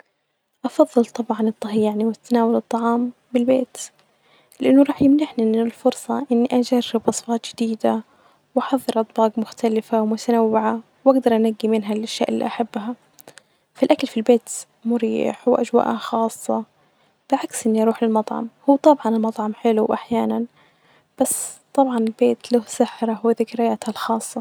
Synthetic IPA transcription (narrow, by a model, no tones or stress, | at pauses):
ʔɑfɑðˤːɨlt̪ˤɑbʕɑnɨt̪ˤːɑɦijːaʕniwɪt̪anaːwalɨt̪ˤːɑʕɑːm | bɪlbeːt̪ | lɪʔanːʊɾˤɑːħjɪmnaħniɪlfʊɾsˤɑʔɪnːiʔad͡ʒarːɪbʔɑsˤfɑːt̪ˤd͡ʒɪd̪iːd̪a | wʔɑħɑðˤːɨɾʔɑt̪ˤbɑːɡmʊxt̪alɪfawmʊt̪anawːɪʕa | wʔaɡd̪ɑɾˤʔanaɡːimɪnɦalʔaʃːa̰ːʔɪlːḭʔaħabːɦa | filʔakalfilbeːt̪ | mʊɾiːħwʔad͡ʒwa̰ːʔhaxɑːsˤːɑ | b̥ɪlʕaksʔɪnːiʔɑɾˤuːħlɪlmɑt̪ˤʕɑ̰mhuːt̪ˤɑbʕɑnɪlmɑt̪ˤʕɑmħɪluwʔaħjaːnan | b̥asːt̪ˤːɑbʕɑnɪlbeːt̪lʊhsaħɾˤɑɦwɪðɪkɾɪjaːt̪halxɑːsˤːɑ